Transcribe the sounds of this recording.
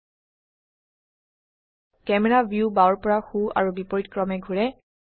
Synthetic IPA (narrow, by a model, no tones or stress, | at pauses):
kɛmɛɹabʱjubaɔɹpɔɹaxua̰ɹubipɔɹitkɹɔmɛɡʱuɹɛ